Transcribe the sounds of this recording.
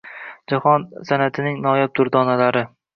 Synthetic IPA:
d͡ʒahɒnsanat̪ʰɪnɪŋnɒjap̚d̪ʰʊɾd̪ɒnalaɾɪ

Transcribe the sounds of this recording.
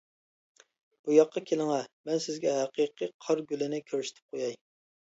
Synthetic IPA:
b̥ujɑqːɑkʲʰelɪŋɛmɛnsɪzɡʲɛɦæqʰiqʰɨqʰɑɾɡʲylɪnɪkʲʰøɾyʃɪ̥t̪ʰɪ̥p̚qʰojɑj

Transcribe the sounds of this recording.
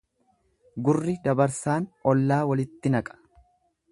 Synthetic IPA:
ɡʊrːɪd̪ɐbɐɾsaːnɔlːaːwɐlɪt̪ːɪnɐkʼɐ̥

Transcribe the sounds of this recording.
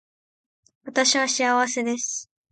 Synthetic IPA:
βat̪aɕiβaɕiaβase̞d̪e̞sɨ̥

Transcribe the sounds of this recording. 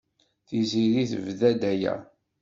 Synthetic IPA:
θiziɾiθəvðæd̪æjæ̰

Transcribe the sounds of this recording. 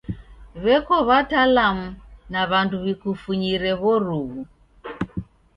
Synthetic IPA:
βɛkɔβatalamunaβanduβikufuɲiɾɛɣɔɾuɣu

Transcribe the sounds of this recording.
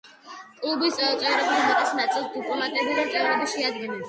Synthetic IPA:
kʼlubist̪ʼɛt̪sʼɛvɾɔbinmɛt̪ʼɛsnat̪sʼilˠsd̪upʼɔmat̪ʼɛbiɾɛɛvɾɔbiʃɛad̪ɡɛnɛl

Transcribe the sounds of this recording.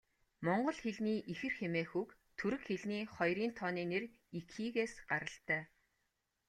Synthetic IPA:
mɔɴɢɞ̆ɮxeɮniːʔixɘ̆rxemeːxuːkt̪ʰɵɾɘ̆kxeɮniːχɔjɾiːnt̪ʰɔːniːner | ikʰiːɣeːsɢaɾə̆ɬt̪æː

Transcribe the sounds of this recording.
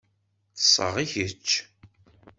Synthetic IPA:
θə̥sˤːə̰ʁiçət͡ʃː

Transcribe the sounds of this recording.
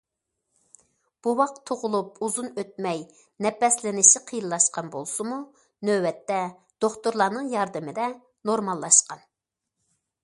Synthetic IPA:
b̥uwɑq̚t̪ʰːoʁʊlˠup̚uzunøt̪̚mɛj | nɛpɛslɪnɪʃiqʰijɨlːˠɑʃqɑnbolˠsumu | nøwɛt̪ːɛ | d̪̥oχt̪uɾlˠɑːnɨŋjɑɾd̪ɨmɪd̪ɛ | noɾmɑlˠːɑʃqɑn

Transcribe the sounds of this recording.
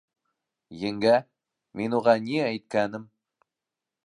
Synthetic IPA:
jɘŋɡæ | menuʁɑniæjt̪̚kænɘm

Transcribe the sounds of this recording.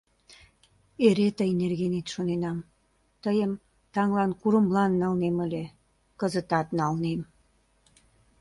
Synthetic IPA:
eɾet̪əenerɣenet̪ʃonenɑm | t̪əjəm | t̪ɑŋlɑnkuɾə̆mlɑnːɑlneməlʲe | kəzət̪ɑt̪nɑlnem

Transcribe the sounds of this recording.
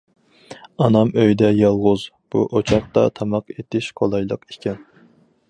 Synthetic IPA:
ɑnɑmøjd̪ɛjɑlˠʁʊzb̥uʔot͡ʃʰɑχt̪ɑ̰t̪ʰɑmɑqet̪ɪʃqʰolˠɑjlˠəqi̥kʲʰɛn

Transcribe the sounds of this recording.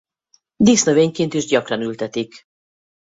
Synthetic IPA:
d̪isnøveːɲkint̪iʒɟɒkrɒnylt̪ɛt̪ik

